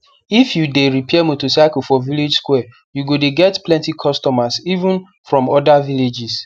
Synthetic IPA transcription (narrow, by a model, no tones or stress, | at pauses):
ifjudeɹipʰɛɛmotosaɪkl̩fɔviled͡ʒskwɛ | juɡodeɡɛtplɛ̃ntikʰɔstɔmasivũn | fɹɔ̃mɔdaviled͡ʒis